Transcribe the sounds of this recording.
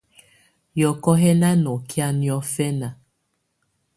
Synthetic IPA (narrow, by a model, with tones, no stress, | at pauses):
jɔ˨kɔ˦ɦɛ˦na˦nɔ˨kja˦njɔ˦fɛ˦na˨